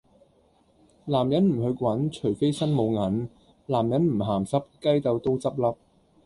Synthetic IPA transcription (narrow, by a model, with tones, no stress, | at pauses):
laː˨˩mjɐ˨˥nm̩˨˩ɦɵ˧kʷwɐ˨˥nt͡ʃʰɵ˨˩ɥfe˥jsɐ˥nmo˨˧wŋɐ˨˥n | laː˨˩mjɐ˨˥nm̩˨˩ɦaː˨˩msɐ˥p̚kɐ˥jt̪ɐ˨˧wt̪o˥wt͡sɐ˥p̚lɐ˥p̚